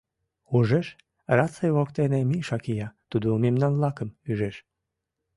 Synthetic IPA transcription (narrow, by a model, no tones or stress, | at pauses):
uʒeʃ | rɑt͡sejβokt̪enemiʃɑkijɑt̪ud̪umemnɑnlɑkəmyʒeʃ